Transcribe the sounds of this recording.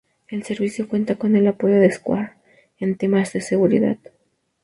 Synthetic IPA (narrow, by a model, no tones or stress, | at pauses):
e̞lse̞ɾβisjo̞kwe̞nt̪ako̞ne̞lapo̞ʝo̞ðeskwa̰ɾ | e̞nt̪e̞mazðe̞se̞ɣuɾḭða̰ð